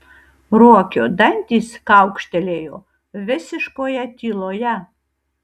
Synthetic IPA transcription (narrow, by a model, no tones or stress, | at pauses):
ɾuɔkʲoːd̪ɐnʲt̪ʲiːskɐʊkʃʲt̪ʲɛlʲeːjoː | ʋʲɪsʲɪʃkoːjɛt̪ʲiːlˠoːjɛ